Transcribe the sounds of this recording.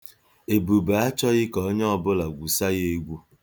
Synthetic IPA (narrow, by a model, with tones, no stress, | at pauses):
e˨bu˨ba˨a˦t͡ʃɔ˦ɣɪ˦kɔ˨˦ɲɔ˦ɔ˨bʊ˦la˨ɡʷu˨sa˦je˨ɡʷu˦